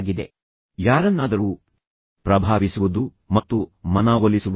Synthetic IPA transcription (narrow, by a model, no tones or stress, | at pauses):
ɡid̪e̞̰ | jaːɾɐnːaːd̪ɐɾuː | pɾɐbʱaːʋisuʋud̪u | mɐt̪ːumɐnaːɡolisuʋu